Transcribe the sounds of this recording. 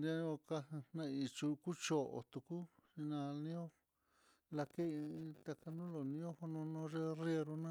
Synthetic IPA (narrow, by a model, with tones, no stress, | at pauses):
ndã˦o˧ka˧nã˧i˧t͡ʃu˧ku˦t͡ʃo˨ʔo̰˨t̪u˧ku˦i˧nã˧nĩ˦õ˦ | la˧ke˦i˧t̪a˧ka˧nũ˦lo˨nĩ˧˦õ˦ho˧nõ˧nõ˧˦ʐe˦rje˧ɾu˧nã˦